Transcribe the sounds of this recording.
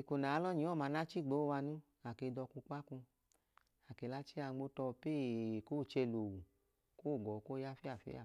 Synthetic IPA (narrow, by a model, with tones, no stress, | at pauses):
i˨ko˨na˨˦lɔ˦ɲĩ˨˦ɔ˦˨ma˨˧˦na˦t͡ʃi˦˨ɡ͡bo˨˦wa˧nũ˦ | a˨ke˧dɔ˧ku˧ka˦ku˧ | a˨ke˨la˦t͡ʃi˦a˧ɡ͡bo˦tɔ˧pe˦˨ko˦˨t͡ʃɛ˧lo˨wu˨ | ko˦˨ɡɔ˨ko˦ja˦fi˦a˦˨fḭ˦a̰˦˨